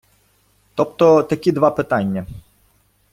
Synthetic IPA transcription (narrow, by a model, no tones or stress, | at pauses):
t̪ɔpt̪ɔt̪ɐkʲid̪ʋɑpɪt̪anʲːɐ